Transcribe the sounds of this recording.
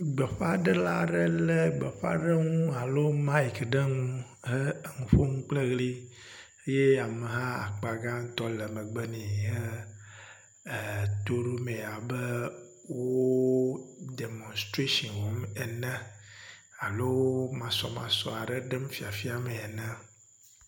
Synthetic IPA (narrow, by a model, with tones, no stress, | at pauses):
ɡ͡bə˨ɸa˦ɖə˦la˦ɖə˦lə˦ɡ͡bə˨ɸa̰˦ɖə˦ŋũ˦a˨lo˦mã˦i˨kɖə˦ŋũ˦ | ɦə˦˨ŋũ˨ɸo˦ŋũ˦k͡ple˦ɣli˦ | e˦je˦a˨mə˨ɦã˦a̰˨k͡pa˨ɡa˦ŋ̩˦t̪ɔ˦lə˨me˨ɡ͡bə˦nĩ˨ə˦˨ | t̪o˦ɖu˦me˨a˨bə˦ | wo˦ | de˨mõ˨nst̪ɾe˦ʃɔ̃˨nwo˨˦mɛ˨nɛ̃˦ | a˨lo˦mã˨sɔ̰˨mã̰˨sɔ̰˨a˨ɖə˦ɖə˦mfi˨a˨fi˦a˨me˨ɛ˨nə̃˦